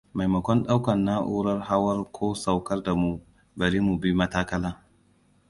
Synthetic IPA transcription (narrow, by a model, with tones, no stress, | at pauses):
ma˨jmɐ˨kʷɔ˦nɗa˦wkɐ˨nːa˦ʔuː˦ɾɐ˦rha˦wɐ˦rkʷʰoː˦sa˨wkɐ˦rda˨mu˨ | bɐ˨ɾiː˦mu˨bi˦mɐ˦taː˦kɐ˦laː˦